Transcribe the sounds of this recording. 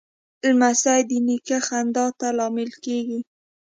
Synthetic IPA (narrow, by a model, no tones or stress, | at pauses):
lmasajd̪ənikaxand̪ɑt̪alɑmɪlkeɡi